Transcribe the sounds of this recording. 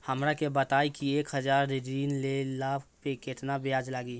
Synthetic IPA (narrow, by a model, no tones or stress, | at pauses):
həmɾakebət̪aːikieːkɦəd͡ʒaːɾɾɾiːnlelaːbʰpekɪt̪nabeaːd͡ʒlaːɡi